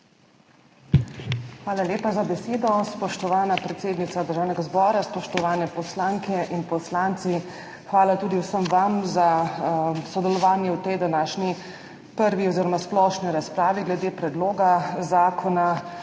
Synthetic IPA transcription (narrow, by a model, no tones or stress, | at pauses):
xʋaːlaljeːpazabɛseːd̪ɔspɔʃt̪ɔʋaːnapɾɛt̪seːd̪nit̪sad̪əɾʒaːwnɛɡazbɔːɾaspɔʃt̪ɔʋaːnɛpɔslaːŋkɛʔinpɔslant̪si | xʋaːlat̪uːd̪iwsəmʋamza | sɔd̪ɛlɔʋaːnjɛwt̪ɛjd̪anaːʃni | pəɾʋiɔziːɾɔmasplɔʃniɾaspɾaːʋiɡlɛd̪eːpɾɛd̪loːɡazaːkʰɔna